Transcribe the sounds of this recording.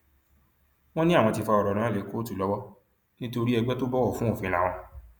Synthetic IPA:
w̃ɔ̃˦nĩ˦a˦˨w̃ɔ̃˧ti˧fa˧ɔ˨ɾɔ˨ɾ̃ã˨˦˨le˨˦ko˦tu˦˨lɔ˨˦wɔ˦ | nĩ˦to˧ɾi˦ɛ˧ɡ͡bɛ˦to˦bɔ˦wɔ˦˨fũ˨˦o˦˨fĩ˧la˨w̃ɔ̃˧

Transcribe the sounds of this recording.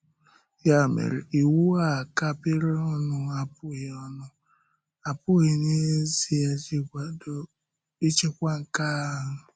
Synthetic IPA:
ja˦˨mḛ˨ɾi˨i˨wu˦a˦˨ka˦pɪ˦ɾɪ˦ɔ˦nʊ˦a˨pʊ˦ɣɪ˨ɔ˦nʊ˦ | a˨pʊ˦ɪ˨ne˦zi˦ja˦d͡ʒi˦kʷa˨do˨ | i˦t͡ʃe˦kʷa˦ŋ̩˨ka˦˨ɦʊ˦

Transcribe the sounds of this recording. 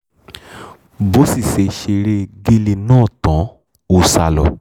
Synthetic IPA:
bo˨˦si˦˨se˨˧ʃe˧ɾe˦ɡe˦le˧nãː˦˨tã˨˦ | u˨sa˧lɔ̰˨

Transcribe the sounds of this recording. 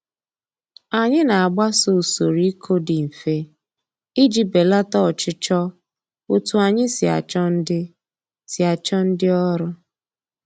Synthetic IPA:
a˨ɲɪ˦na˨a˨ɡ͡ba˦so˨so˨ɾi˦kʰo˦dɪ˨m̩˨fe˦ | i˦d͡ʒi˨be˨la˦tɔ˦˨t͡ʃɪ˦t͡ʃɔ˦ | u˨tu˨a˨ɲɪ˦sɪ˨a̰˨t͡ʃɔ˦n̩˦dɪ˦ | si˨a˨t͡ʃɔ˦n̩˦dɪ˦ɔ˦ɾʊ˦

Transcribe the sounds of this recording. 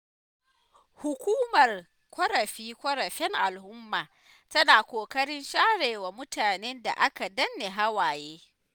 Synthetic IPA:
hʊ˨kʷuː˦mɐ˨r | kʷɐ˦ɾɐ˨ɸiː˦kʷɔ˦ɾɐ˨ɸɛ˦ŋʔa˨lhʊ˦mːaː˨ | tɐ˦naː˨kʷoː˨kɐ˦ɽɪ˦nʃaː˦ɽeː˨wa˨mʊ˦taː˨ne˦nda̰˨ʔa˦ka˨dɐ˦nːe˨ɦa˦waː˨jeː˦

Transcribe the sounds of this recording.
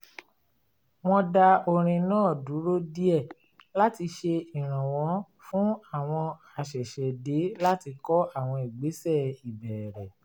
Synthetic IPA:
w̃ɔ̃˧da˧o˧ɾ̃ĩ˧nãː˦˨du˨˦ɾo˦di˦ɛ˦˨ | la˦ti˧ʃe˧i˨ɾ̃ã˨w̃ɔ̃˨˧˦ | fũ˨˦a˦˨w̃ɔ̃˧ | a˨ʃɛ˨ʃɛ˨de˨˦la˦ti˧kɔ˦a˦˨w̃ɔ̃˧i˨ɡ͡be˨˦sɛ˦˨i˨bɛ˨ɾɛ˨

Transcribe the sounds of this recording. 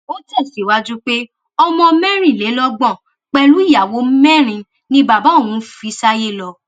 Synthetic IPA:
o˦tɛ˦˨si˨˦wa˦d͡ʒu˦k͡pe˦ | ɔ˧mɔ̃˧mɛ̃˦ɾ̃ĩ˦˨le˨˦lɔ˦ɡ͡bɔ̃˦˨ | k͡pɛ˧lu˨˦i˦˨ja˨wo˨˦m̩˦mɛ̃˦˨ɾ̃ĩ˧ | nĩ˦ba˨ba˨˦o˦˨wũ˦fi˧˦sa˦je˦˨lɔ˧

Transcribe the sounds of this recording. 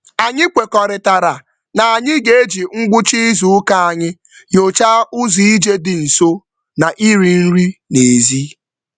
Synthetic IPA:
a˨ɲɪ˦kʷe˨kɔ˨ɾɪ˨ta˨ɾa˨ | na˨a˨ɲɪ˦ɡe˦e˦d͡ʒi˨ŋ̩˦ɡ͡bʊ˦t͡ʃi˦zu˦ʊ˦ka˦a˨ɲɪ˦ | jo˨t͡ʃa˦ʊ˦zi˨i˦d͡ʒe˦dɪ˨n̩˨so˦ | na˨ʔi˦ɾi˨n̩˦ɾi˦ne˨zi˦

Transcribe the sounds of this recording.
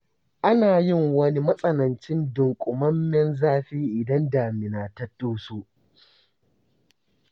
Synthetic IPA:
ʔa˦naː˨jɪ˦˨ŋwɐ˦ni˦mɐ˦sʼɐ˦nɐ˨nt͡ʃɪ˦ndʊ˨ŋkʷʼʊ˨mɐ˦mːɛ˦nzaː˦ɸiː˦ʔɪ˨dɐ˦nda˨mɪ˨naː˨tɐ˦tːoː˦soː˦

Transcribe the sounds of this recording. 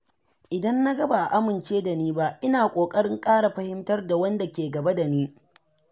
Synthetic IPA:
ʔɪ˨dɐ˦nːa˦ɡɐ˦ba˨ʔa˨ʔa˦mɪ˨nt͡ʃeː˦da˨niː˦ba˦ʔɪ˦naː˨kʷʼoː˨kʼɐ˦ɽɪ˦ŋkʼaː˦ɽa˨ɸɐ˦hɪ˦mtɐ˦rda˨wɐ˦nda˨kʲeː˨ɡɐ˨ba˦da˨niː˦

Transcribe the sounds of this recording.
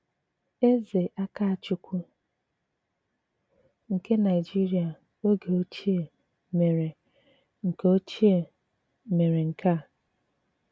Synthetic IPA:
e˦ze˨ʔa˦ka˦a˨t͡ʃʊ˨˦kʷu˦ | ŋ̩˨ke˦na˨ɪ˨d͡ʒi˦ɾi˨a˨ | o˦ɡe˨o˦t͡ʃi˦e˨ | me˨ɾe˨ | ŋ̩˨ko˦t͡ʃi˦e˨ | me˨ɾe˨ŋ̩˨kʰa˦˨

